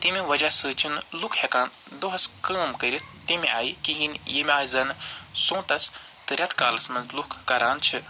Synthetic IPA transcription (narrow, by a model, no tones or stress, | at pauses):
t̪imiʋɐd͡ʒasɨːt͡ʃʰinlukʰhekaːn | d̪oɦɐskəːmkəɾʲit̪ | t̪imia̰ːikiɦinjimʲaːjizɐnsõːt̪ɐs | t̪ɨɾʲɐt̪ʰkaːlɐsmɐnzlukʰkɐɾaːnt͡ʃʰi